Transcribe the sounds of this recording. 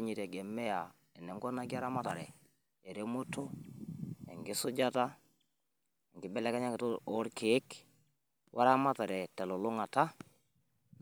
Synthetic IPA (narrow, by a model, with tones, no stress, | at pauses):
ɲi˨te˨ɡɛ˨mɛ˦ja˨ | ɛ˨nɛ˨ŋɡɔ˦na˦ɡi˦a˦ɾa˦ma˦ta˨ɾɛ̰˨ | e˨ɾe˦mo˦to˦ | ɛ˨ŋɡi˦sʊ˦d͡ʒa˦ta˦ | e˨ŋɡɪ˦bɛ˦lɛ˦ka˦ɲa˦kto˦ɾke˨˦k | wʔa̰˦ɾa˦ma˦ta˨ɾɛ˨tɛ˨lo˨lʊ˦ŋa˨ta˦